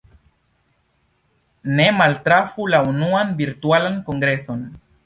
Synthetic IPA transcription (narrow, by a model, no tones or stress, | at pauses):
nemalt̪ɾafulaunuanbiɾt̪ualaŋkoŋɡɾeson